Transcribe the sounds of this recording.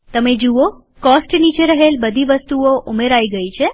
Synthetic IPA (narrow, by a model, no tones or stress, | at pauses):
t̪əmed͡ʒuʋo | kɔsʈnit͡ʃeɾəɦelbəd̪ʱiʋəst̪uoʔumeɾaiɡəit͡ʃʰe